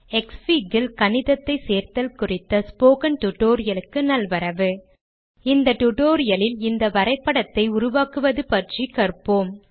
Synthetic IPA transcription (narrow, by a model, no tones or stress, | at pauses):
ɛksʋiɡɪlkɐnɪðɐt̪ːɐɪseːɾt̪ɐlkʊrɪt̪ːɐspoːkɐnʈʊʈːoːɾɪjɐlɯkːɯnɐlʋɐɾɐʋɯ | ɪnd̪ɐʈʊʈoːɾɪjɐlɪlɪnd̪ɐʋɐɾɐɪpːɐɽɐt̪ːɐɪʊɾʊʋaːkɯʋɐðɯpɐʈrikɐɾpoːm